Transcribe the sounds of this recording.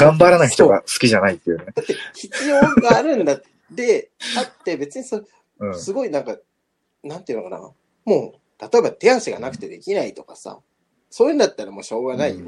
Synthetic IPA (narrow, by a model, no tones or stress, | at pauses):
ɡãmbaɾanaçʲit̪o̞ɡa̰sɨ̥kʲiʑanait̪ːejɯ̟ned̪̥at̪ːe̞çi̥t͡sɨjo̞ːɡaːɾɯ̟̃nd̪a | d̪e̞t̪at̪ːe̞be̞t͡sɨɲ̟iso | ɯ̃sɨɡo̞inãŋka | nãnt̪eiɯ̟nokana̰ | mo̞ː | t̪at̪o̞e̞bat̪e̞ãɰɕiɡa̰nakɯ̟t̪e̞d̪e̞kʲinait̪o̞kasa̰ | soːjiɯ̟nd̪at̪ːaɾamo̞ːɕo̞ːɡanaijo